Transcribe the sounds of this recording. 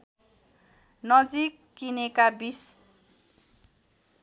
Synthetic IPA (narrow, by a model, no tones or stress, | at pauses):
nʌd͡zikːinekabis